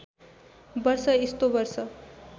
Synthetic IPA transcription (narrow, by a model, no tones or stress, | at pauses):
bʌrsʌist̪obʌrsʌ